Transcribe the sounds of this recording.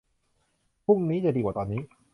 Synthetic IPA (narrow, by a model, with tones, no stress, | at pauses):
pʰu˥˩ŋniː˦˥t͡ɕa˧˩diː˧kwaː˨˩t̪ɔː˧nːiː˦˥